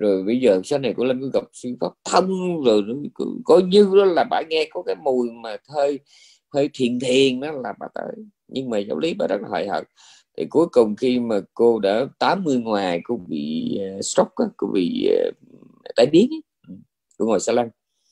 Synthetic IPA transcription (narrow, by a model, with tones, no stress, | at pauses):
zo˨˩jɓə˧jzəː˨˩˨saː˨˧˦na˨˩jkʊ̰˧˥˦la˧˩mku˧˦ɣa˨˩p̚swi˧əŋfaː˦˥p̚t̪ʰə˧wŋ͡mzo˨˩jnɔ˨˧˦kṵ˧˦kɔ˨˦ɲɨ˧ɗɔ˨˦laː˨˩ɓa̰ː˧˩ŋɛ˧kɔ˨˦kaː˨˦jmu˨˩əjmaː˨˩t̪ʰəː˧j | t̪ʰəː˧jt̪ʰi˨˩ənt̪ʰi˨˩ənnɔ˨˦laː˨˩ɓa̰ː˧˩t̪ə̰ː˧˨˦j | ɲɨ˧ŋmaː˨˩zaː˧˦wli˨˦ɓaː˧˦˥zə˦˥t̚laː˨˩wa̰ː˧˨jhə̰ː˨˩t̚ | t̪ʰi˨˩ku˨˦əjkʊ˨˩ŋ͡mxi˧maː˨˩ko˧ɗa̰ː˧˥t̪aː˨˦mːɨ˧əjŋwaː˨˩jkʊ̰˧˥˦ŋ͡mɓḭ˧˨ə˨˩stɔ˦˥k͡p̚ʔaː˨˦ko̰˧ɓḭ˧˨ə˨˩˨ | t̪aː˧˩jɓi˨˦ən˦ | ʔɨ˨˩m | kṵ˧˥ŋo˨˩jsaː˧laː˧n